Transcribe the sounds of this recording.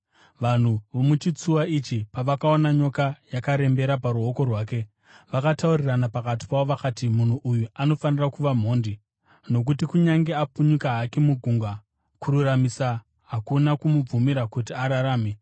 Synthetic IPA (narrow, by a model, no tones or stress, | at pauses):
ʋan̤uʋomut͡ʃit͡suwait͡ʃipaʋakao̞naɲo̞kajakaɾe̞mbe̞ɾapaɾuɦo̞ko̞rwaːke̞ | ʋakatauriranapakati̥paoʋakaːtimun̤uʔujuano̞fanirakuʋam̤o̞ːndi | no̞k̬utikuɲaŋɡe̞apuɲukaɦakemuɡʱuŋɡwa | kuɾuramisa | ɦakunakumub͡vumiɾakut̬iaɾaɾaːme